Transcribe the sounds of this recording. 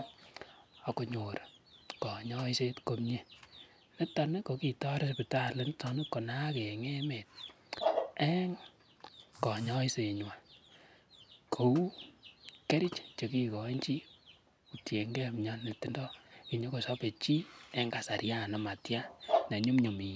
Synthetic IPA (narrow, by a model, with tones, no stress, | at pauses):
a˨ko˨ɲo˨ɾkɔ˨ɲɔ˦i˦se˦tko˦mɲe˦ | ne˦ta˧ne˦ko˨ki˨tɔ˦ɾe˦spi˨ta˦le˦n˦tɔ˨ne˦ko˨na˦ke˨ŋe˦me˨t̚ | ɛ˦ŋ | kɔ˨ɲɔ˦i˦se˨ɲwa˨ | kʰo˨u˦ | ke˦ɾi˦t͡ʃt͡ʃe˨ki˦kɔ˨˦nt͡ʃi˦ | u˨tje˨ŋɡɛ˦˨m˨ɲɔ˦nːe˨tːi˨ndɔ˦ki˨ɲo˦ko˨sa˦pe˨t͡ʃi˦ɛ˦ŋɡa˨sa˨ɾja˦˨na˨ma˨tja˦ne˨ɲu˦mɲo˨mi˨